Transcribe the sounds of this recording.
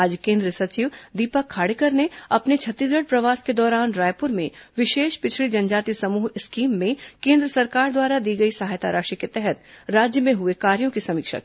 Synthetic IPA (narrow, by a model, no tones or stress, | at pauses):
aːd͡ʒkẽːnd̪ɾəsɐt͡ʃiʋd̪iːpakʰːaːɽekəɾneɐpnet͡ʃʰɐt̪ːiːs̬ɡəɽpɾɐʋaːsked̪ɔːɾaːnɾaːjpʊɾmẽʋɪʃeːʃpɪt͡ʃʰɭid͡ʒɐnd͡ʒaːt̪isɐmuːɦɪskiːmːẽkẽːnd̪ɾəsɐɾkaːɾd̪waːɾad̪iːɡɐisɐɦaːjt̪a̰ɾaːʃiket̪ɛɦɛt̪ɾaːd͡ʒjəmẽɦʊekaːɾjõkisɐmiːkʃə̰k